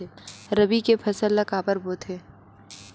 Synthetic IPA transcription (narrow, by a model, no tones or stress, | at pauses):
eɾɐbikepʰɐsəlːɐkaːpəɾboːt̪ʰɦeː